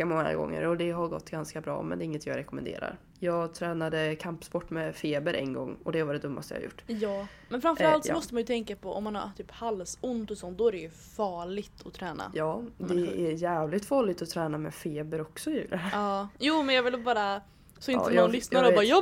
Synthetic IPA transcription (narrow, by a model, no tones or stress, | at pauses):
amɔŋːa̰ɡɔ̰ŋːə̰ɾɔd̪ɛɦaɾɡɔ̰t̪ːɡanskabɾɑ̰ːmɛnd̪ɛɪŋːət̪ʰɪj̰ɾɛkɔmɛnd̪ḛːɾa̰ɾ | jɑːɡt̪ʰɾɛːnad̪əkʰampspɔʈːmɛfeːbəɾʔɛ̰nɡɔ̰ŋːɔd̪ɛvaɖɛd̪ɵmːa̰st̪əj̰a̰jʊ̰ʈːjɑː | mɛnfɾamfəɾalt̪sɔmɔst̪əmanjɵt̪ʰɛŋkapʰɔʔɔ̰mːanha̰ɾt̪ʰyːphalsʊnt̪ɔsɔnt̪̚d̪ɔæɾɛjɵ | fɑːɭɪɡt̪ʰɔt̪ʰɾɛːna̰jɑːd̪ɛæɾjæːvlɪt̪fɑːɭɪt̪ɔt̪ʰɾɛːnamɛfeːbəɾɔksɔjʉːɾəɑːjuːmɛnjɑːvɪlbɑːɾa | sɔɪnəɔnlʏsnaɾɾəɔɾjɔ